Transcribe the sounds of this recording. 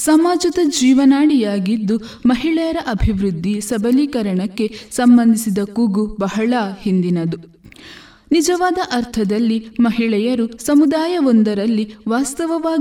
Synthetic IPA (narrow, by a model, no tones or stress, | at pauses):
sɐmaːd͡ʒɐd̪ɐd͡ʒiːʋɐnaːɽijaːɡid̪ːu | mɐɦiɭɛjɐɾɐʔɐbʱiʋɾud̪ʱːisɐbɐliːkɐɾɐɳɐkːe̞sɐmbɐnd̪isid̪ɐkuɡubɐɦɐɭɐhind̪inɐd̪u | nid͡ʒɐʋaːd̪ɐʔɐɾt̪ʰɐd̪ɐlːimɐɦiɭɛjɐɾusɐmud̪aːjɐond̪ɐɾɐlːiʋaːst̪ɐʋɐʋaː